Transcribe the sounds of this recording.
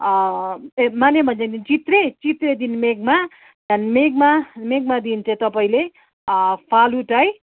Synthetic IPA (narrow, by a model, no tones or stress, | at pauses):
manjemʌned̪int͡sit̪ret͡sit̪red̪inmeɡ̚ma | janmeɡ̚mameɡmad̪int͡sʌĩt̪ʌpaĩle | pʰaluʈaj